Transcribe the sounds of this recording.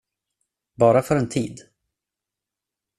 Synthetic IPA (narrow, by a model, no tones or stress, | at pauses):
bɑːɾafœɾɛnt̪ʰiːd̪